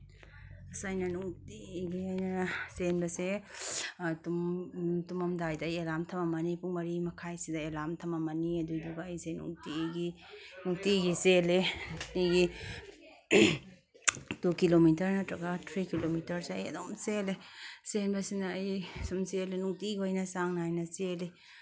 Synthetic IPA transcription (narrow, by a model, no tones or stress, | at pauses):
sajnɐnuŋtiɡiajnɐsenbɐse | tumtumɐmdajdaːjelamtʰɐmamɐnipumɐɾimɐkʰajsidaelamtʰɐmamɐniɐduduɡaːjsenṵŋtiɡi | nuŋtiɡiseletiɡi | d̥ukilomitɐɾnɐtɾɐɡatʰɾikilomitɐɾseɐjɐ̰domselesenbɐsinaːjsumselenuŋtiɡojnɐsaŋnaajnɐsele